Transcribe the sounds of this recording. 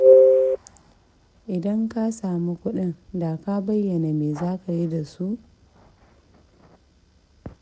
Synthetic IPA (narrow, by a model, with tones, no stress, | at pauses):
ʔɪ˨dɐ˦ŋka˦saː˨mu˦kʷʊ˦ɗɪ˦nda˨ka˦bɐ˦jːɐ˨na˨meː˨zaː˦ka˨ji˦da˨su˦ʔ